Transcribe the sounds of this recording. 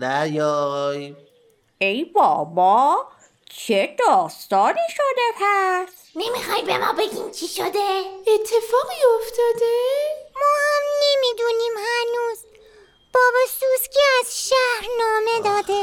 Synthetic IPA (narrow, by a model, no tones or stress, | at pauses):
næjɒj | ejbɒ̰ːbɒː | t͡ʃʰe̞d̪ɒːst̪ɒːniːʃod̪epʰæs | nemixɒːjbḛmɒ̰ːbe̞ɡʲḭːmt͡ʃʰiʃod̪eet̪ʰːefɒːɣiːoft̪ʰɒːd̪emɒːhæmnemiːd̪uːniːmhænuːz | b̥ɒːbɒsuskʰeæzʃæhɾnɒːmed̪ɒːd̪e